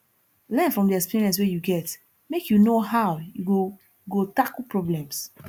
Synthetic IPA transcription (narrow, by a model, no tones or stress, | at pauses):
lɛ̃nfɹɔ̃mdiɛkspiɹiɛ̃ns̬wejuɡɛt | mekjunohawjuɡo | ɡotakpɹɔblɛ̃ms